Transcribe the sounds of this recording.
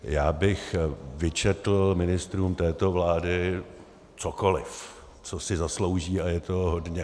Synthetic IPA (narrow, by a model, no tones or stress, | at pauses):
jaːbɪxvɪt͡ʃɛt̪l̩mɪnɪst̪ɾuːmt̪ɛːt̪o̞vlaːdɪ | t͡soko̞lɪf | t͡sosɪzaslo̞wʒiːajɛt̪o̞ɦodɲɛ